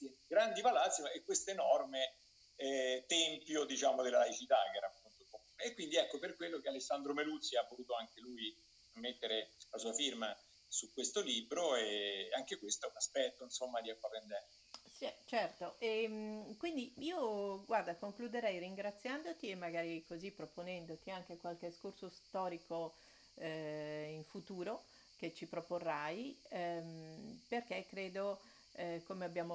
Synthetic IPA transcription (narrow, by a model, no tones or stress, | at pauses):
ɡɾand̪ipalat̪sːjiekːwest̪oenɔrme | ɛt̪ɛmpjod̪it͡ʃaːmod̪elːalait͡ʃit̪akɛːɾapːunt̪oo | ekwind̪iɛkːoperkwelːok̟ealesːand̪ɾomelut̪siavːoluːt̪oaŋk̟elui | met̪ːeɾelasuːafirma | sukːwest̪olibɾoeaŋk̟ekwest̪oɛunaspɛt̪ːoinsomːad̪iakːapend̪ɛn | sit͡ʃɛrt̪oʔemkwind̪iiːoɡward̪akoŋklud̪eɾɛjriŋɡɾat̪sːjand̪ot̪iemːaɡaːɾikozipːɾoponɛnd̪ot̪iaŋkekwalkeskorsost̪ɔːɾiko | iɱfut̪uːɾo | k̟et͡ʃːipɾoporːajmperk̟ekːɾeːd̪o | komeabːjaːmo